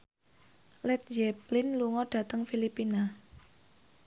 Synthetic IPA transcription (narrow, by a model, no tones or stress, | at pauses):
lɛt̪̚d͡ʒɛplɪnluŋɔɖ̥ä̤t̪əŋfilipina